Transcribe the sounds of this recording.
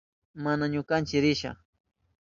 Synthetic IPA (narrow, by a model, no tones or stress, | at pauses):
manaɲʊkant͡ʃɪɾɪʃɑ̰χ